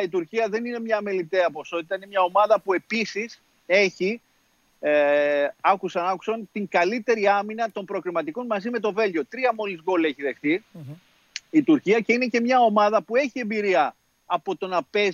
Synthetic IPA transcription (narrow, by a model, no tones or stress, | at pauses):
it̪uɾciɐðe̞nine̞mɲɐmelit̪eɐpo̞so̞t̪i̥t̪ɐinemɲɐo̞mɐðɐpue̞pisis | e̞çi | ɐkusɐnɐku̥sɐnt̪iŋɡɐlit̪e̞ɾiɐminɐt̪o̞mpɾo̞kɾimɐt̪iko̞nmɐzime̞t̪o̞ve̞lʝo̞t̪ɾiɐmo̞lizɣo̞le̞çiðe̞xθi | it̪uɾciɐce̞ine̞ce̞mɲɐo̞mɐðɐpue̞çie̞mbiɾiɐː | po̞t̪o̞nɐpe̞